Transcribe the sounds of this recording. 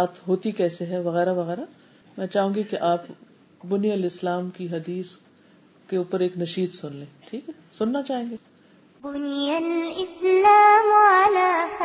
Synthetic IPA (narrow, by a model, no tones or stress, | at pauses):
aːt̪ɦoːt̪ikɛːseɦɛʋɐɣɛːɾaʋɐɣɛːɾa | mɛ̃ːt͡ʃaːɦũːŋɡikeʔaːp | bʊnijəlɪslaːmkiɦɐd̪iːs | keuːpəɾeːknɐʃiːd̪sʊnlẽːʈʰiːkɦɛ | sʊnːat͡ʃaːɦẽːŋɡeː | bʊnjɐlɪslaːmalaː